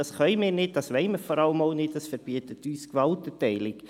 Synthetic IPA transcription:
ɑsχœʏmɪːɾnɪt̚dɑsʋɛɪməfɔɾɑləmoʊnɪtdɑsfəɾb̥iətətyːskʋɑltətɛɪlɪk

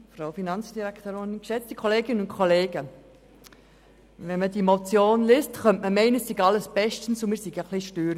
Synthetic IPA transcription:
fraʊfinɑnt͡sd̥iɾækʰt̪oːɾɪnkʃɛt͡stikʰɔleːɡɪnənʊnkʰoleːɡə | ʋɛnmədimot͡sjoːnlɪstχœmʔməmɛɪnəsiɡɑləsb̥ɛʃtən̩sʊmɪːɾsiɡəχliʃtøːɾ

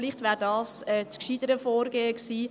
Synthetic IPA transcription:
liχtʋæːɾdɑːsɛːt͡skʃid̥əɾəfoːɾɡeːəksiː

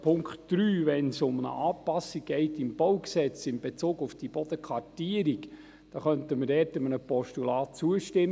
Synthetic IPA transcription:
pʰʊŋkχtd̥ɾyːvɛnsʊmənə̰ʔɑːpɑsːiɡ̚ɡ̥ɛɪtɪmb̥ɔwksɛt͡sɪmb̥et͡suːɡʊfd̥ib̥ɔd̥̪əkʰʋɑrtiəɾik | d̥ɑːχœntəməɾdɛːɾtəmənəpɔʃtulɑːt̚t͡suəʃtɪm

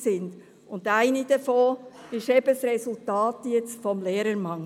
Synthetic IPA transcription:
sɪnd̥ | ʊndaɪnid̥əfoːɪʃɛb̥əsrɛsʊltɑːtjɛt͡stfɔmleːɾəɾmɑŋ

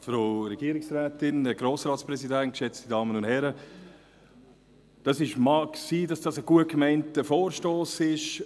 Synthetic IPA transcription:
fɾoːɾɛɡiəɾɪksɾɛːtɪnəɡ̥ɾoːsɾɑːtspɾɛsidɛnt̚kʃɛt͡stidɑːmənʊnthɛɾə | d̥ɑsɪʃmɑksiːdɑsd̥ɑsəɡ̥uət̚kmaɪntəfoːɾʃtoːsɪʃ

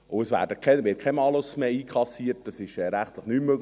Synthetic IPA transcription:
ʊəsʋæ̰ːɾdəkʰɛʋɪt̚kʰɛmɑlʊsmeiːkʰlɑsiːət̚d̥ɑsɪʃɛɾæχtləχnyːmːøɡ

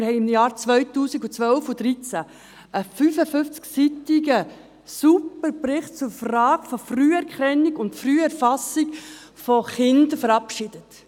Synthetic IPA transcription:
ɪɾhɛɪɪmjɑːɾt͡svœʏtuːsiɡut͡sʋœlfudɾit͡sæ | ʔəfyfəfʏnft͡sksitɪɡə | supəɾprɪχt̚t͡sʊɾfrɑːɡ̥fɔfryːɛɾkʰɛnːiɡʊntfryːɛɾfɑsɪɡ | fɔχɪndəfəɾɑpʃɪd̥ət

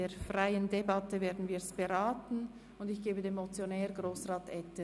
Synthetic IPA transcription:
eːɾfraɪəndebatəveːdn̩viːsb̥eɾaːtn̩ | ʊndɪçɡ̥eːbədeːnmot͡sjonɛːɾɡʁoːsraːtɛtə

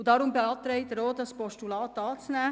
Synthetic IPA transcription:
dɑːɾʊmbeɑːt̪ɾɛɪtəɾoːdɑspɔʃtulɑːtɑːt͡snæː

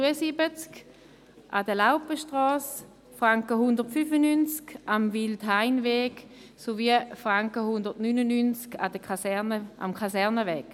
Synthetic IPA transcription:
uəsibət͡sk | ʔadəlaʊpəʃtʁɔːs | fʁaŋkəɦʊndəʁtfyfənynt͡skʔamviltɦaɪnvɛːk | soviəfʁaŋkəhʊndəʁtnynənynt͡ska̰dəknəʔa̰mkʰasɛʁnəvɛːk

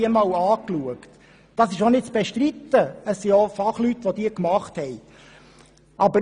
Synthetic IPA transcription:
iəmɑːlɑːkluəkt | d̥ɑsɪʃonɪt̚t͡sb̥ɛʃtɾit̪ːəəssiofɑχlyt̪ʋod̥̪iːəkmɑχthɛj | ʔɑbə

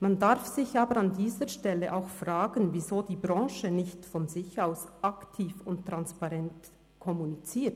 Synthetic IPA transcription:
mandaɾfz̥ɪçaːbəɾandiːzəʃtɛlːəʔaʊxfʁaːɡ̥ənvizoːdiːbɾɑ̃ːʃənɪçtfɔnzɪçaʊsaktʰiːfʊnttɾanspaʁɛnt | kʰɔmunit͡siːt

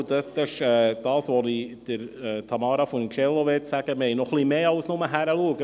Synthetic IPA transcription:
d̪øt̪ːɪʃɛːd̥̪ɑːsʋɔnid̪̥əɾɛːt̪ʰɑmɑːɾɑfɔnkʰɛlːoʋɪtsæɡ̥əmɛɪnɔχlimeːɑʊsnʊməɦæɾəluəɡə

